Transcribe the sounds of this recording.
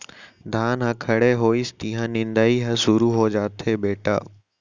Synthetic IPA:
d̪ʱaːnɦãkʰɐɽeɦoːist̪ɪ̃ɦãːnɪ̃nd̪aːiɦɐ̃sʊɾuɦoːd͡ʒaːt̪ʰeːbeːʈa̰ː

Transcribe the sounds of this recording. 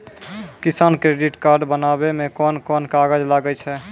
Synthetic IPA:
kisaːnkɾeɖiʈkaɾɖbənabemekɔnkɔnkaɡəd͡ʒlaɡɛt͡ʃʰɛ

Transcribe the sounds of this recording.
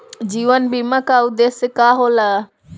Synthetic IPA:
d͡ʑiːʋənbiːmakaʊd̪eːsɪkaɦola

